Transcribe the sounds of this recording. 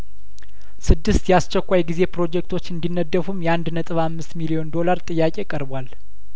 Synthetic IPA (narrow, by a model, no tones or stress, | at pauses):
sɨd̪ːɨst̪jɛast͡ʃːɛkʷːajɡize̞pɾo̞d͡ʒɛk̚t̪ʰot͡ʃːɨnd̪inːəd̪ːəfumjɛand̪nət̪ʼɨβamːɨst̪milio̞nd̪o̞laɾt̪ʼɨjːakʼe̞kʼəɾbwal